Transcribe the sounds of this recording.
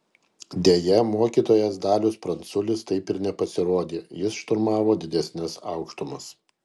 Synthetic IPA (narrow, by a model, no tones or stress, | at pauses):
d̪ʲeːjɛmoːkʲiːt̪oːjɛsd̪ɑːlʲʊspɾɐnt̪sʊlʲɪst̪ɐɪpɪɾnʲɛpɐsʲɪɾoːd̪ʲeːjɪsʃt̪ʊɾmɑːʋoːd̪ʲɪd̪ʲɛsʲnʲɪsɑʊkʃt̪ʊmɐs